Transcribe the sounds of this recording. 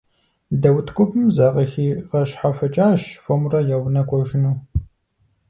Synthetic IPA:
dɐwtʰkʷʼʊbɨmzaːʁɐxiːʁɐɕħafɐt͡ʃʼaːɕfomrɐjɛwnɐkʷʼɔʒɪnuː

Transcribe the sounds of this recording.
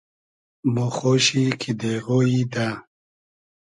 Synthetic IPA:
moxoɕikʰid̪eɣoid̪a

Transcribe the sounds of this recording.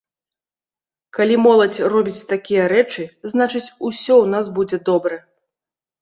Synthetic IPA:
kalʲimɔlˠɐt͡sʲrɔbʲit͡sʲt̪akʲijɐɾɛt͡ʂɨznat͡ʂɨt͡sʲusʲɔwn̪asbud͡zʲɛd̪ɔbɾɐ

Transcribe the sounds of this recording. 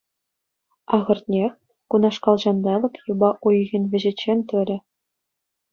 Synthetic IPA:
ɑʁɤ̆rt̪ʲnʲe | kunɑʂkɑlˠʑɑnd̪ɑlˠɤ̆kjubɑʔujɣʲinʲʋʲɘ̆ʑĕt͡ɕːenʲt̪ʲɘ̆lʲɘ̆

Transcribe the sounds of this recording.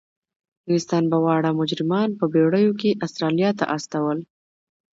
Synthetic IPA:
ɪst̪ɑnbawɑɽamʊd͡ʒɾɪmɑnpəbeɽəjokeʔast̪ɾɑlijɑt̪a̰ʔast̪awəl

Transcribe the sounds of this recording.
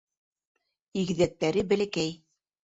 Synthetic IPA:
iɣɘ̆ðæk̚t̪æɾɘbɘ̆lɘ̆kæj

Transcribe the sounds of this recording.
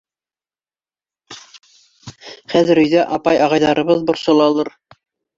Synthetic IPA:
χæðɘ̆ɾɵ̆jðæʔɑpɑjɑʁɑjðɑɾɤ̆βɤðbŏɾsɤ̆lˠɑlˠɤɾ

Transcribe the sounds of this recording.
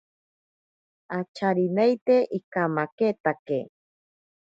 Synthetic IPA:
at͡ʃaɾinejt̪eʔikamaket̪akḛ

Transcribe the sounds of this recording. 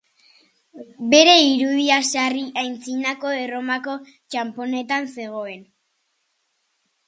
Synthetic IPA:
be̞ɾe̞iɾuðiasariʔajnt͡sinako̞ero̞mako̞ | t͡ʃampo̞ne̞t̪anse̞ɣ̞o̞e̞n

